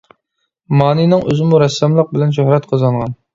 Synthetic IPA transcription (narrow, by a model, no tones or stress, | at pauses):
mɑːninɨŋʔøzɪmuɾɛsːɛmlˠəq̚bɪlɛnʃ̬ohɾɛt̪qʰɑzɑɴʁɑn